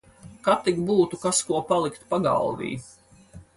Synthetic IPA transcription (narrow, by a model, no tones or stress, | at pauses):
kat̪iɡbuːt̪ukaskuɔpalˠikt̪paɡa̰lˠd̪ḭː